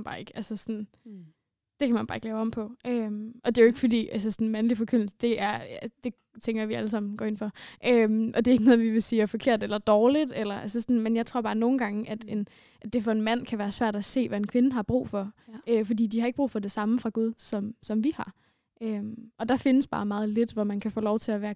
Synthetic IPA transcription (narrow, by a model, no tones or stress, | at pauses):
b̥ɑ̈ːeɡ̥ælsəsɔn̩ | d̥e̝kʰæmænb̥ɑ̈ːe̝ɡlɛːʊɒ̽mpʰɒ̽ʔømʔɒ̽d̥e̝jo̝e̝ɡ̥fɒ̽d̥ḭːæls̬əsɒnmænlifɒ̽kʰøn̰l̩səd̥e̝æɐæd̥e̝ | t͡sʰeŋɡ̥ɐʋiæləs̬ɑ̈m̰n̩ɡ̥ɒ̰ːenfɒ̽ʔømʔɒ̽de̝e̝ɡ̥ənɔ̽ðˠʋiʋe̝siːæfɒ̽kʰe̝ɐ̰d̥elɐd̥ɒːlid̥elɐʔælsəsɔnmenjɑ̈ɪt͡sʰʁo̝ɐ̰b̥ɑ̈ːno̝ːn̩ɡ̥ɑ̈ŋəʔæd̥e̝n | ʔæd̥e̝fɒ̽e̝nmæn̰kʰæʋæːɐsʋæɐ̰d̥æse̝̰ːʋæe̝nkʰʋe̝nəɦɑ̈b̥ʁṵːfɒ̽øfɒ̽dḭːd̥ihɑ̈eɡ̥əb̥ʁṵːfɒ̽d̥e̝sɑ̈məfʁɑ̈ɡ̥uð̞ˠsɒ̽msɒ̽mʋihɑ̈ | ʔømɒ̽d̥ɑ̈fe̝nəsb̥ɑ̈ːmɑ̈ːð̞̩ˠle̝d̥ʋɒmænkʰæfo̰ːlɒʊt͡sʰe̝æʋæːɐ